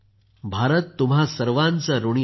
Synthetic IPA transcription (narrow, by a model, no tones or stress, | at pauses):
bʱaɾət̪ːumɦasəɾʋãnt͡səɾuɳ̃i